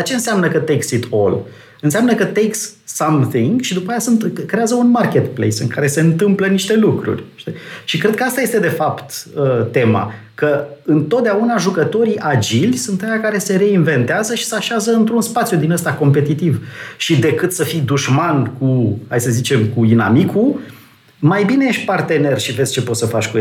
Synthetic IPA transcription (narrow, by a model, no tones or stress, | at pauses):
at͡ʃeɨnseamnəkət̪eksit̪ʰo̞̰l | ɨnseamnəkət̪ekssamθiŋɡʃid̪upajasunt̪kɾeazəunmarkʲe̞t̪plḛjsɨ̰ŋkaɾe̞se̞ɨnt̪ɨmpləniʃt̪e̞lukɾṵrʲʃt̪iʃikɾe̞d̪̚kəast̪aje̞st̪e̞d̪e̞fapt̪ət̪e̞ma̰ | kəɨnt̪ot̪̚d̪eaunaʒukət̪o̞ɾiʔad͡ʒilʲsunt̪ajakaɾe̞se̞ɾe̞inve̞nt̪eazəʃi̥saʃazəɨnt̪ɾunspat̪sjud̪inəst̪ako̞mpe̞t̪it̪ivʃid̪e̞kɨt̪səfijd̪uʃmankuhajsəzit͡ʃe̞mkuina̰mikʰu | majbine̞jeʃ̚ʲpart̪e̞ne̞rʃive̞zʲt͡ʃe̞pot̪səfat͡ʃʲkue